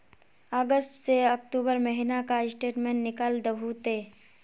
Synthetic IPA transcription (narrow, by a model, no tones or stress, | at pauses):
əɡəsʈseək̚ʈuːbəɾməɦɪnakaɪsʈeːʈmẽːɳʈːnɪkəld̪əɦut̪eː